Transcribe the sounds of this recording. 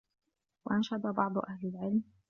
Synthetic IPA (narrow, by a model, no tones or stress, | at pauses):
waʔanʃɑd̪ˤɑbɑʕd̪ˤʔahlɪlʕɪlm